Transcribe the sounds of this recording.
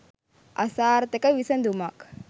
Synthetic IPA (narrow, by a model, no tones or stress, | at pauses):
ɐ̰saːɾt̪ekɐʋisɐnd̪umak